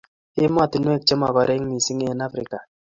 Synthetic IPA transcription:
ɪ˦m˦a˦˨ti˨nwɛ˦˨t͡ʃe˦ma˨ba˨ɾɛ˦ŋ˦mi˨si˦ŋ˦ɛ˨na˦fɾɪ˨ka˨

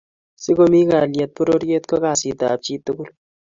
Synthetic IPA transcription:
si˦ko˦mi˦ka˨ljɛ˨t̚pɔ˦ɾo˦ɾje˦t̚kɔ˦ka˨si˨ta̰˨p̚t͡ʃi˦tu˦ku˦l

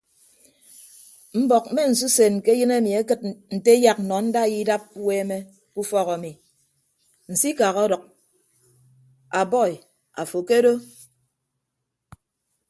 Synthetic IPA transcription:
m̩˦bɔ˨k̚me˦n̩˨s̬u˦se˨nke˦jɨ˦ne˦˨mi˨e˦kɨ˦t̚n̩˨te˦ja˨k̚nɔ˨n̩˦da˦˨ji˦da˦p̚we˦me˦ | ku˦fɔ˦ɣɔ˨mi˨ | n̩˨si˦ka˨ɣɔ˦dɔ˨k̚ | a˨bɔ˦˨i˨ | a˨fo˨ke˦do˦

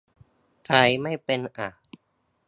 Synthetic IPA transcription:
kʰa˧jma˥˩jpe˧nʔa˨˩

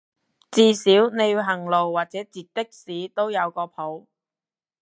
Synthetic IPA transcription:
t͡siː˧siː˨˥wne˨˧juː˧ɦɐ˨˩ŋlo˨wːaː˨t̚t͡sɛː˨˥t͡siː˨t̚t̪ɪ˥k̚siː˨˥t̪o˥wjɐ˨˧wkɔː˧pʰo˨˥w

